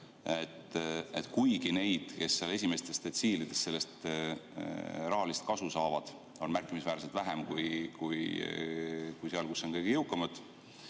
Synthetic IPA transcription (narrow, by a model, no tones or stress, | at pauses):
et̪ːet̪ˑkujɡine̞jd̪̥ke̞sːeɑle̞s̬ʲime̞st̪e̞st̪et̪siːlid̪̥e̞st̪se̞lːe̞st̪ | rɑɦɑlist̪̚kɑsusɑːvɑd̪̥ | o̞nmærkːˑimisvæːɾset̪væɦemkujkuj | kujseɑlkusːo̞nkɤjɡijewkːˑɑmɑd̪̥